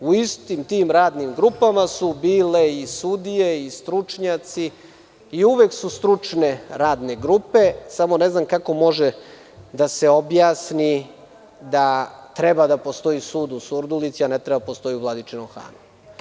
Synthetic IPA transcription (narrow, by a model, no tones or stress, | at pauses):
uist̪imt̪iːmɾaːd̪nimɡɾupamasubiːleisud̪ijeist̪ɾut͡ʂɲat̪si | iuʋeksust̪ɾut͡ʂne̞ɾaːd̪ne̞ɡɾupe̞samo̞neznamkako̞mo̞ʒe | d̪ase̞o̞bjaːsni | d̪at̪ɾebad̪apo̞st̪o̞isuːd̪usuɾd̪ulit̪sianet̪ɾebad̪apost̪o̞iuvlad̪it͡ʃenomxa̰ːnu